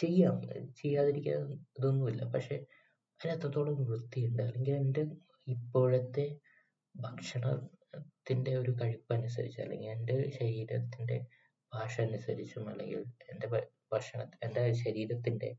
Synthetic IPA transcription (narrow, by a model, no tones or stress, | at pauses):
t͡ɕe̞jːaːmt͡ɕe̞jːaːðiɾikʲːuɐɐðonːumilːɐ̰pɐkʂe̞ | ɐɐt̪ːrɐt̪ːo̞ːɭɐmrɨt̪ːijuɳɖɨɐlːe̞ŋɡile̞nde | ipːo̞ːɻet̪ːe̞ | bʱɐkʂɐɳɐt̪ːinde̞o̞ɾukɐɻipːɐɐnusɐ̰ɾit͡ɕːɐ̰lːe̞̰ŋɡilendeɕɐɾiːɾɐt̪ːinde̞̰ | bʱaːʂɐːnusɐɾit͡ɕːumɐ̰lːeŋɡḭlende | bʱɐkʂɐɳɐt̪endeɕɐɾiːɾɐt̪ːinde̞̰